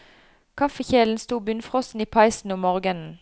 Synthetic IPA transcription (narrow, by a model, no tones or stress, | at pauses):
kʰɑfəçeːln̩st̪uːbʏnfʁɔsn̩iːpʰɑɪsn̩ʊmːoːʁɡənn̩